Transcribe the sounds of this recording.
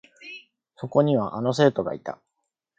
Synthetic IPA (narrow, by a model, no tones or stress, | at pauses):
so̞ko̞ɲ̟iβaʔano̞s̬e̞t̪o̞ɡa̰it̪a̰